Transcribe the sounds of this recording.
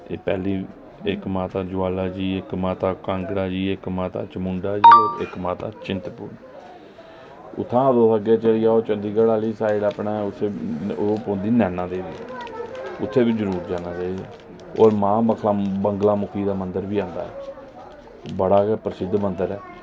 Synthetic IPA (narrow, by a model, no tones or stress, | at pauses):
ḛːpɛːliː | ɪkmaːt̪aːd͡ʒʊaːlaːd͡ʒiːɪkmaːt̪aːkãŋɡɽaːd͡ʒiːɪkmaːt̪a̰ːt͡ʃəmʊɳɖaːd͡ʒiːoːɾɪ̰kmaːt̪a̰ːt͡ʃɪnt̪puɾ | ʊ̰t̪ʰːãːd̪oːsəɡeːt͡ʃəlɪjaːoːt͡ʃənd̪iːɡaɽaːliːsaːɪɽaːpnaːʊt̪ʰːeːpõːnd̪iːnɛːnãːd̪eːʋḭː | ʊt̪ʰːeːbɪt͡ʃːd͡ʒəɾuːɾd͡ʒaːnaːt͡ʃaːid͡ʒa̰ː | o̰ːɾmãːbəkʰlaːbəŋɡlaːmʊkʰiːd̪aːmənd̪əɾʋiːãːnd̪a̰ːɛ̰ː | bəɽaːkɛpɾəsɪd̪ːmənd̪əɾɛː